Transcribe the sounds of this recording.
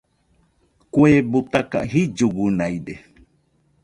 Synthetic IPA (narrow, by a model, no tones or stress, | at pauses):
kweːbut̪aka̰ɦid͡ʒuɡunajde